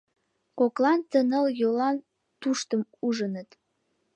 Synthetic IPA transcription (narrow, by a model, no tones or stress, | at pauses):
koklɑnt̪ənəljolɑn | t̪uʃt̪əmuʒənət̪